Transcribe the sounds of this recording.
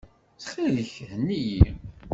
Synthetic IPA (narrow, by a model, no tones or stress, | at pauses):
t͡sχiðəçhənːiji